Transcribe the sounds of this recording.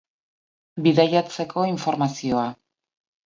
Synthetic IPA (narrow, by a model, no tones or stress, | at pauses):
biðajat͡se̞kʰo̞iɱfo̞ɾmasio̞a